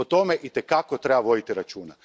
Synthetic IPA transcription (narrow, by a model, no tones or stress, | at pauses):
ot̪o̞meʔit̪ekakot̪ɾebaʋo̞d̪it̪iɾat͡ʃuːna